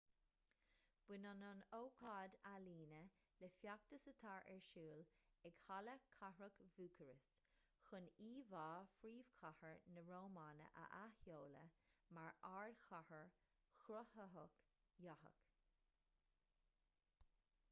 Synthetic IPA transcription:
b̥ɪnɑnɑnowkʰɑːd̪aliːnə | lɛfjak̚t̪əsət̪ʰaːɹʔɛɹʃuːlɛɡ̥haləkʰahɹəkvuːkʰəɹɪst | xʊniːvɑːfɾiːv̥kʰahəɹnəɹoːmaːnə̰ʔə̰ʔahjoːlə̰maɹaːɹd̪xahəɹ | xɾʊhəɦəkjahə̰k

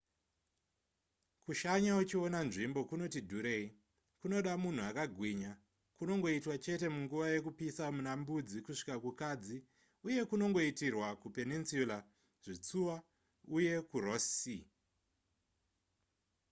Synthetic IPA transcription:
kuʃaɲaut͡ʃio̞nanʐimbo̞kuno̞tidʱuɾe̞ːi | kuno̞ɗamun̤uakaɡʱwiɲa | kuno̞ŋɡo̞itwat͡ʃe̞te̞muŋɡuʋaje̞kupisamunambud͡zikuʂi̥kakukad͡zi | uje̞kuno̞ŋɡo̞itirwakupeninsjula | ʐ̥it͡suwa | uje̞kurosi

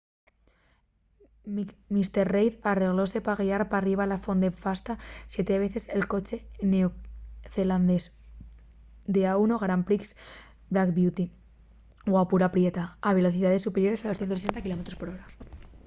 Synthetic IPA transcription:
mist̪eɾrejðare̞ɣ̞lo̞se̞paɣiaɾpariβ̞alafo̞nd̪efast̪asje̞t̪eβ̞e̞θe̞selko̞t͡ʃe̞neoθeland̪es | d̪eaunoɣɾampɾiks | bɾakbjut̪i | wapuɾapɾje̞t̪aːβe̞lo̞θiðaðesːupeɾjo̞ɾe̞saloθjenosesent̪akilo̞met̪ɾospo̞ɾo̞ɾa

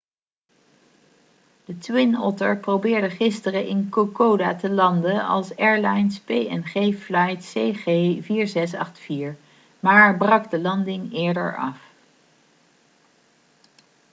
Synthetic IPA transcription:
d̥ətwɪnɔtəɹprowbɪːɹdəχɪstərəʔɪnkokowdaːtəlɑndənɑ̰lˠsɛɹlajnspejɛnχeːflajtseχeːviːɹzɛs̬ɑ̰χtfiːɹ | maːɹbrɑɡdəlɑndɪŋɪːɹdə̰ɹɑ̰f

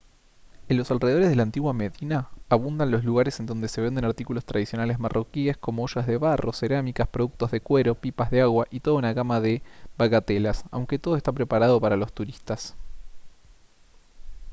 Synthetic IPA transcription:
enlo̞salreðoɾezðelant̪iɣwame̞ðinaːβund̪anlosluɣaɾesend̪o̞nd̪e̞se̞βend̪enaɾt̪ikulo̞st̪ɾað̞isjonalezmarʔo̞kie̞sko̞mooʃazðe̞βaro̞se̞ɾamikaspɾo̞ðuk̚t̪o̞zðe̞kwe̞ɾo̞pipazðeaɣwaʔit̪o̞ð̞aunaɣamaðeβaɣat̪elasa̰wŋke̞t̪o̞ðoest̪apɾe̞paɾaðo̞paɾalo̞st̪uɾist̪as

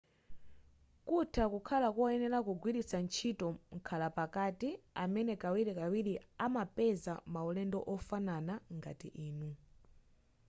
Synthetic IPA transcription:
kutʰakukʰalakɔɛnɛlakuɡwiɾisant͡ʃʰitɔŋ̩kʰalapakatiamɛnɛkawiɾikawiɾiamapɛzamaulɛndɔʔɔfananaŋɡa̰tḭʔiːnu

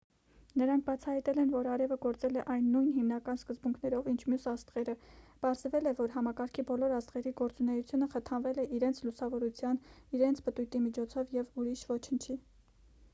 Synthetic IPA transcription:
nəɾɑŋkʰbɑt͡sʰɑhɑjt̪ɛlɛnvɔɾɑɾɛvəɡɔɾt͡sɛlɛʔɑjnːujnɦimnɑkɑnskəzbuŋkʰnɛɾɔvint͡ʃʰmjusɑst̪ʁɛɾəpɑɾzvɛlɛvɔɾɦɑmɑkɑɾkʰibɔlɔɾɑst̪ʁɛɾiɡɔɾt͡sunɛjut͡sʰjunəχət̪ʰɑnvɛlɛʔiɾɛnt͡sʰlusɑvɔɾut͡sʰjɑniɾɛnt͡sʰpət̪ujt̪imit͡ʃʰɔt͡sʰɔvjɛvuɾiʃvɔt͡ʃʰənt͡ʃʰi

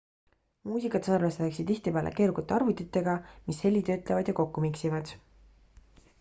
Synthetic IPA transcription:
muːsikˑɑt̪sɑrveseleksid̪̥iht̪ipe̞ːlḛkeːɾukːɑt̪ːˑeɑrvut̪ːˑit̪ːˑe̞ɡɑmishe̞lːit̪øːt̪levɑd̪̥jɑko̞kːumiksivɑd̪̥

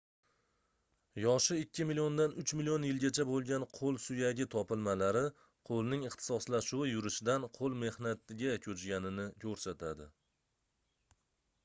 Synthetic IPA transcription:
jɒʃɪɪkʲːɪmilijond̪anʊt͡ʃmɪlijonjɪlɡʲat͡ʃʰabolˠɡʲanqʰolˠsʊjaɡʲɪt̪ʰɒpɪlˠmalaɾɪ | qʰolˠnɪŋɪχt̪ʰɪ̥sɒslaʃuwɪjʊɾɪʃɪd̪anqʰolˠme̞hnat̪ʰɪɡʲakʲʰɵt͡ʃɡʲanɪnɪkʲʰɵɾsat̪ʰad̪ɪ

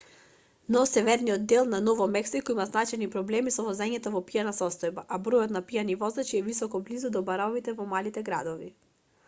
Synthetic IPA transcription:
nɔsɛvɛɾnijɔd̪̚d̪ɛlˠnanɔvɔmɛksikɔimaznat͡ʃɛjnipɾɔblɛmisɔvɔzɛɲɛt̪ɔvɔpianasɔst̪ɔjbaʔabɾɔjɔt̪napijanivɔzd̪at͡ʃiɛvisɔkɔblizud̪ɔbaɾɔvit̪ɛvɔmalit̪ɛɡɾa̰d̪ɔvi

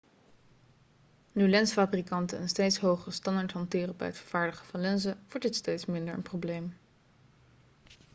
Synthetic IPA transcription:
nylɛnsfaːbrikɑntənənstejtsɦowχəəstɑndaɹtɦɑntɪːrəbɛ̰jətfə̥ɹv̥aːɹdəχə̥vɑnlɛnzəʋɔɹdɪtstejtsmɪndəɹə̰nprowblejm

